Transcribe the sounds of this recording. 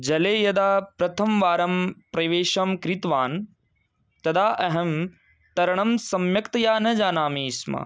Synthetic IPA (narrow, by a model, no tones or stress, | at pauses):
d͡ʒɐleːjɐd̪aːpɾɐt̪ʰɐmʋaːɾɐmpɾɐʋeːʃɐmkɾit̪ʋaːn | t̪ɐd̪aːʔɐɦɐm | t̪ɐɾɐɳ̃ɐmsɐmjɐkt̪ɐjaːnɐd͡ʒaːnaːmiːsmɐ̰